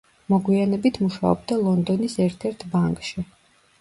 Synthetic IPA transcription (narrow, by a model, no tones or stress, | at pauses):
mɔɡwianɛbit̪ʰmuʃa̰ɔ̰bd̪alˠɔnd̪ɔnisɛɾt̪ʰɛɾt̪ʰbaŋkʼʃi